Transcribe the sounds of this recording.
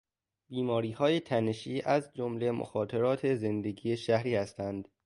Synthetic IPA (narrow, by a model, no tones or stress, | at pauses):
b̥iːmɒːɾiːhɒːjet̪ʰæne̞ʃiːʔæzd͡ʒomlemʔo̰xɒːt̪ʰeɾɒːt̪ʰe̞ze̞nd̪e̞ɡiːeʃæhɾiːhæst̪ænd̪̥